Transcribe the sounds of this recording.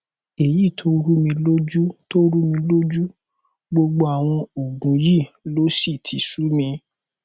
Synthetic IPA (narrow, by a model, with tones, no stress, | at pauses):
e˨ji˦˨tʰo˦ɾu˦mĩ˧lo˦d͡ʒu˦to˦ɾu˦mĩ˧lo˦d͡ʒu˦ | ɡ͡bo˧ɡ͡bo˧a˨w̃ɔ̃˧o˨ɡũ˨˦ji˦˨lo˦si˦˨tʰi˨˧˦su˦mĩ˧